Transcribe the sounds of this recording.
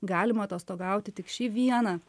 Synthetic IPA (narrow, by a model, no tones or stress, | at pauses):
ɡɑːlʲɪmɐt̪oːst̪oːɡɑˑʊt̪ʲɪt̪ʲɪkʃʲiːʋʲiɛnɐ